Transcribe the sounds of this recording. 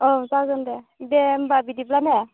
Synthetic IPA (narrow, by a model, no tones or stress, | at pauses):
ɔsazɔndɛbɛmbabidiplanɛ